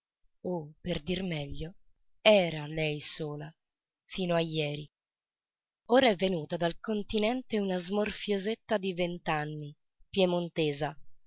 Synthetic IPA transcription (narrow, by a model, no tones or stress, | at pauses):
operd̪irmɛʎːo | ɛːɾalɛjsoːla | fiːnoajːɛːɾi | oːɾaɛvːenuːt̪ad̪alkont̪inɛnt̪eunazmorfjozet̪ːad̪ivent̪anːi | pjemont̪eːza